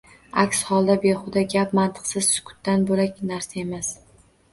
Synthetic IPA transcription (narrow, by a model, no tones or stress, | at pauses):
akʲshɒlˠd̪abeχʊd̪aɡʲap̚mant̪ʰɨ̥qsɪzsʊ̥kʰʊ̥t̪ːanbolakʲnaɾsae̞mas